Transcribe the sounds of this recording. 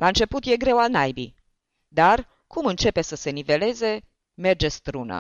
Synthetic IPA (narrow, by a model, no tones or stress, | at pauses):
lʔaɨnt͡ʃe̞put̪je̞ɡɾe̞wanajbḭ | d̪ar | kumɨnt͡ʃe̞pe̞səse̞nive̞le̞ze̞ | me̞rd͡ʒe̞st̪ɾunə̰